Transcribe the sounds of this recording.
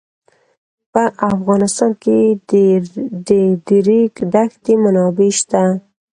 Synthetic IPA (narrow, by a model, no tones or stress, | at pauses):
pəʔafɣɑnɪst̪ɑnke | d̪əd̪əɾikd̪axt̪emanɑbeʃt̪a